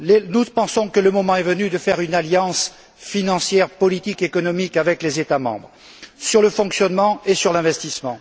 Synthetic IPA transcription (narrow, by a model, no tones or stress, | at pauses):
lenupɑ̃sɔ̃kələmɔmɑ̃ɛvənyd̪əfɛʁynaljɑ̃s | finɑ̃sjɛʁpɔlit̪ikekɔnɔmikavɛklezet̪amɑ̰̃bʁ | syʁləfɔ̃ksjɔnmɑ̃esyʁlɛ̃vɛst̪ismɑ̃